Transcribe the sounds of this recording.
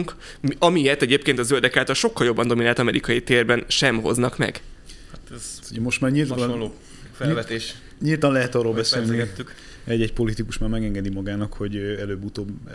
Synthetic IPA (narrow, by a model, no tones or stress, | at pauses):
uŋk | ɒmijɛt̪ɛɟeːpkeːnt̪ɒzøld̪ɛkaːt̪ɒlʃokːɒljo̞bːɒnd̪o̞minaːlt̪ɒmɛɾʔikɒjit̪eːrbɛnʃɛmɦo̞̰znɒkmɛ̰ɡ̥hat̪ɛzuɛmo̞ʃt̪maːrɲilt̪o | fɛvɛt̪eːʃ | ɲilt̪ɒnlɛɦɛt̪ɒrːoːlbɛseːlniɛt̪ːyk | ɛɟːɛc̚po̞lit̪ikuʃmaːɾmɛɡɛŋɡɛd̪imɒɡaːnɒkho̞ɟɛløːbːut̪oːb